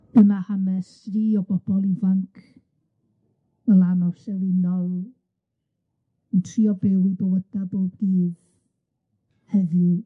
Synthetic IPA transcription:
ənahanɛsriːɔbɔb̥ɔlˠivankʰ | əlanɔsɛlˠɪnɔlˠ | əntʰriɔbɛwɪbowəd̥aboːb̚ɡiːð | hɛðɨ

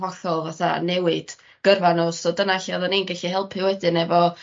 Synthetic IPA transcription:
vɔɬɔlˠvaθa̰nɛwɪd̥ | ɡ̥ərvanɔsɔdənaɬiɔðɔniːnɡɛɬihɛlˠpʰɨwɛdɨnɛvɔ

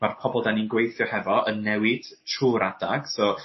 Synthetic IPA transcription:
marpʰɔbɔlˠdaninɡwejθjɔhɛvɔʔənːɛwɪd̥tʰruːɾadaɡ̥sɔ

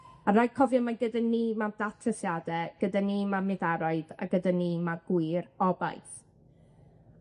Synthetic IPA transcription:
arajkʰɔvjɔmaɡədanimad̥atʰəsjadɛɡ̥ədanimamɪðaɾɔɨða̰ɡədanimaɡ̥wɨɾɔba̰jθ

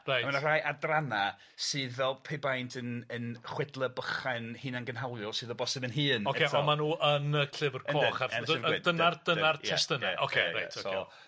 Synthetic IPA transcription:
ramanar̥ajʔadrana | sɨːðvɛlˠpʰebajntʰənənχwɛdlˠəbəχanhɨːnanɡənɦawlˠjɔsɨːðɔbɔsɪmənɦɨːnɔkɛeɔmanuːʔənəkʰlɪvərəknoɛχarnɪdənard̥ənarʰɪstənɛʔɔkʰeɾḛjtʰɔso

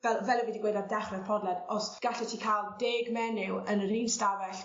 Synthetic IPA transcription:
vɛlˠvɛlˠəwɛdiɡwejdandɛχrɛðpʰɔdlˠɛdɔsɡ̥aɬɛtʰiːkʰalˠdeːɡmɛnɪwənriːnstawɛɬ

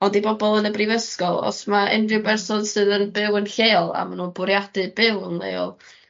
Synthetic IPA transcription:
ɔndibɔbɔlˠənəbrɪvəskɔlˠɔ̰smaɛ̰ndɪbɛrsɔnsɨːðənbɪwənɬeːlˠa̰manuːnbʊɾjadɨbɪwənlˠḛːɔ̰lˠ

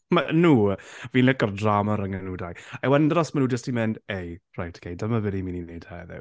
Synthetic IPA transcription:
manuːviːnlɪkɔrdramaɾəŋənudajawɛdndəɾɔsmanuːd͡ʒəstimɛndejrajtʰə̥kʰejdəmavɛdimininejd̥haðɛ̰w

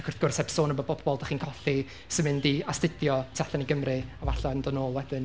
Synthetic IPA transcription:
kʰʊrθɡ̥ʊrsɛpsoːnəbɔbɔbɔlˠdaχiːnkʰɔɬi | səmɨndiastɪdjɔtʰaɬaniɡəmrɨavaɬɔndɔnoːlˠwɛd̥ɪn

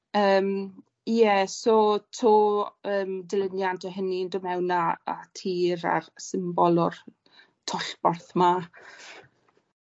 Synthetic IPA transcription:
əːm | jɛsɔtʰoːəːmdɪlənjantʰɔɦəniəndʊmɛwnaa̰tʰiːɾa̰rsɪmbɔlˠɔr | tʰɔɬb̥ɔrθma

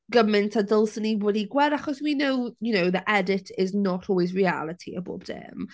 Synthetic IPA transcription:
ɡ̥əmɪntʰadəlˠsəniwɛdiɡwɛɾaχɔswinowjunowðiʔɛdɪtʰɪznɔtʰɔlˠwɪzɹia̰lˠətʰiə̰bo̰ːb̚dɪ̰m

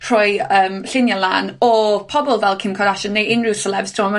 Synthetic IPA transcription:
r̥ɔjəːmɬɪnjalˠa̰ːnɔpʰɔbɔlˠvɛlˠkʰɪmkʰɔɾaʃɔnːeɪnrɪwsəlɛbstʰɔma

